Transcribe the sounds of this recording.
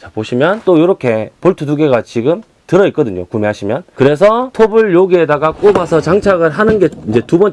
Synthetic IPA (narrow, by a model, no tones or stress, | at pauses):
t͡ɕapoɕʰimjʌnt͈ojoɾʌkʰe̞poɭtʰutuɡeɡat͡ɕiɡɯm | tɯɾʌik͈ʌdɯɲo̰kumeɦaɕʰimjʌnkɯɾe̞sʰʌtʰobɯɭjoɡie̞daɡak͈obasʰʌt͡ɕaŋt͡ɕʰaɡɯɭɦanɯnɡe̞ind͡ʑe̞tubʌn